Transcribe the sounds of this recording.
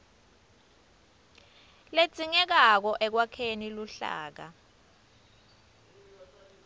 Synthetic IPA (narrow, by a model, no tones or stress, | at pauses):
led̥d͡z̥ʱiŋɛk̬ak̬ɔʔɛk̬wakʰeniluɬa̰ːk̬a̰